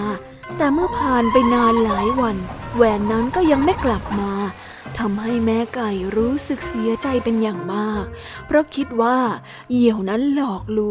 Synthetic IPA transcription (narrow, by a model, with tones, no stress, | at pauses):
t̪ɛː˨˩mɯ˥˩ɐpʰaː˨˩npa˧jnaː˧nlaː˩˦jwa˧nwɛː˨˩nːa˦˥nkɔː˥˩ja˧ŋma˥˩jkla˨˩p̚maː˧ | t̪ʰa˧mɦa˥˩jmɛː˦˥ka˧˩jɾuː˦˥sɯ˨˩k̚si˩˦ɐt͡ɕa˧jpe˧njaː˨˩ŋmaː˥˩k̚ | pʰɾɔ˦˥kʰi˦˥t̪̚waː˥˩ | ji˨˩əwna˦˥nlɔː˨˩k̚luː˦˥